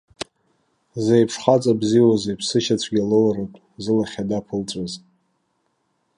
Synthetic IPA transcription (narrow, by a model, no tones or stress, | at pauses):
zejpʰʂχat͡sʼabziwazejpʰsɨʃat͡ɕʷʰɡʲalowratʼ | zɨlaχʲadapʰɨlt͡sʷʼaz